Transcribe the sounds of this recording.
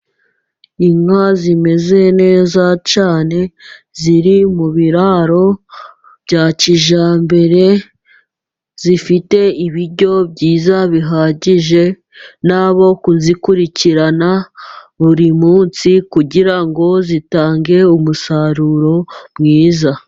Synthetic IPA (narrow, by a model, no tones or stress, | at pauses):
iŋazime̞ze̞ne̞ːzat͡ʃaːne̞ | ziɾimuβiɾaɾo̞ | b̥ɟaːciʒaːmbe̞ɾe̞ | zifite̞iβiɾɟo̞bɟiːzaβiɦaɟiʒe̞ | naβo̞kuzikuɾiciɾanaβuɾimuːnt͡sikuɟiɾaŋɡo̞zitaːŋɡe̞umusaɾuɾo̞mŋiːza